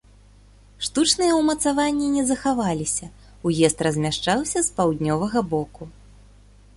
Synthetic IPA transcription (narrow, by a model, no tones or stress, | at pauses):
ʂt̪ut͡ʂnɨjɛwmɐt̪savanʲːinʲɛzɐxavalʲisʲɐ | ujɛst̪rɐzʲmʲaʂt͡ʂawsʲɐspawd̪ʲnʲɔvɐɣɐbɔku